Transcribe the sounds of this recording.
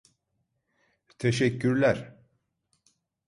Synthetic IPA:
t̪ʰeʃɛkːyɾlʲæɾ

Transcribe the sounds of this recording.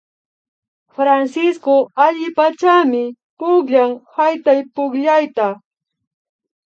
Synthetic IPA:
fɾansɪskoaʎɪpat͡ʃamɪ | pʊkʎaŋhajt̪ajpʊkʎajt̪a

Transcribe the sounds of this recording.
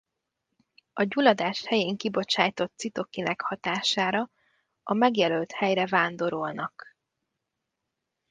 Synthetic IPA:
ɒɟulɒd̪aːʃhɛjeːŋkibo̞t͡ʃaːjt̪o̞t̪ːsit̪o̞kinɛkhɒt̪aːʃaːɾɒ | ɒmɛɡjɛlølt̪hɛjrɛvaːnd̪o̞ɾolnɒk

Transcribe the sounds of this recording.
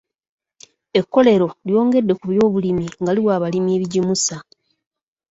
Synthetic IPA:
e̞kːo̞le̞ɾo̞ljo̞ːŋɡe̞dːe̞kuβjo̞ːβulimiŋɡaliwaːβalimje̞ːβiɟimusa

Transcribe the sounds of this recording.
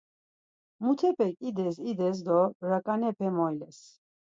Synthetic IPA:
mut̪ʰɛpʰɛkʼid̪ɛs̬id̪ɛs̬d̪ɔɾakʼanɛpʰɛmɔilɛs

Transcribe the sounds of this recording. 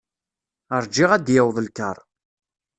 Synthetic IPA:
əɾˤd͡ʒːɪʁæd̪jəwðˤlkːəɾˤ

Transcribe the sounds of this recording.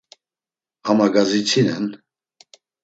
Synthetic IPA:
hamaɡazit͡sʰinɛn

